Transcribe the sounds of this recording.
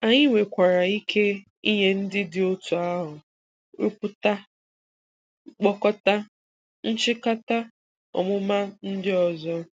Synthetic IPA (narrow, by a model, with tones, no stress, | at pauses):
a˨ɲɪ˦ŋʷe˨kʷa˨ɾa˨i˦kʰe˦ | i˦ɲe˦n̩˦dɪ˦dɪ˨o˦tu˨a˦ɦʊ˨ | ɾṵ˦pʊ˦ta˦ | k͡pɔ˦kɔ˦ta˦ | n̩˦t͡ʃɪ˦ka˦ta˦ | ɔ̰˨mʊ˦ma˦n̩˦dɪ˦ɔ˨zɔ˦